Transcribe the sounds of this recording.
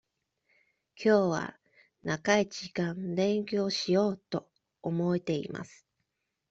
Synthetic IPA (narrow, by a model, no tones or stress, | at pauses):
kʲʰo̞ːβa̰ | nakaid͡ʑikãnd̪ẽ̞ŋkʲo̞ːɕijo̞ːt̪o̞ː | mo̞et̪e̞ḭma̰sɨ̥